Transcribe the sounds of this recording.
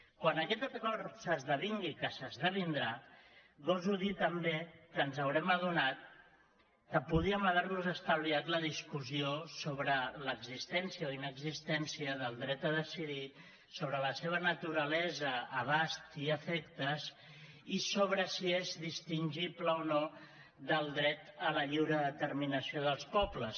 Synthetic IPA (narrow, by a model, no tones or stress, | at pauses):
kwanəkɛt̪əkɔrsəzðəβ̞iŋɡikəsəzðəβ̞ind̪ɾaɡozuðit̪əmbekənzəwɾɛməðunat̪ | kəpuð̞iəməð̞aɾβuzəst̪aβliat̪ləðiskuziosoβɾələɡzist̪ɛnsjəoinəɡzist̪ɛnsiəðəlˠd̪ɾɛt̪əðəsiði | soβɾələseβ̞ənət̪uɾəlɛzəːβ̞ast̪iəfɛkt̪əs | isoβ̞ɾəsiezðist̪inʲʒipləono | ðəlˠd̪ɾɛt̪ələʎiwɾəðət̪əɾrminəsioðəlˠspɔpləs